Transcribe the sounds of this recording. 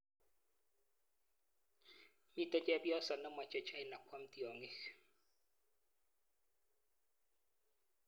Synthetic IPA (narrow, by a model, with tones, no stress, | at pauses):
mi˦tʼɔ˦t͡ʃʼɛ˦bjɔ˦sa˨na˦mwa˨t͡ʃʼɛ˨t͡ʃʰa˦i˦na˨kʰwa˦m̩˦ti˦ɔ˨ŋe˦x